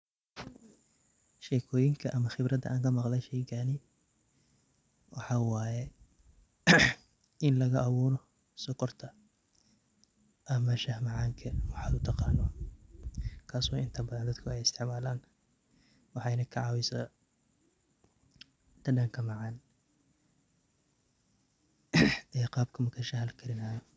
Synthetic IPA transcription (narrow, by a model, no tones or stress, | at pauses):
ʃɛːkʰɔːjɪŋkʰɐʔɐmɐxɪbrɐd̪ɐ̰ʔaːŋkʰɐmɑqlɐʃɛjkʰanɪ | wɑħɑːwɑːjɛ | ɪnlɐɣɐʔɐβuːɾɔ | sɔkɔrt̪ʰɐ | ʔɐmɐʃɐhmɑʕɑːŋkʰɐwɑħɑːd̪ʊt̪ʰɑqɑːnɔ | kʰaːsɔːʔɪnt̪ʰɐbɐðɐnd̪ɐd̪kʰʊɛjɪst̪ʰɪʕmaːlaːn | wɑħɑjnɐkʰɐʕɑːwɪsɐ̰ | d̪̥ɐɖɐŋkʰɐmɑʕɑːn | ɛːqɑːb̚kʰɐmɐkʰɐʃɐɦɐlkʰɐɾɪnaːjɔ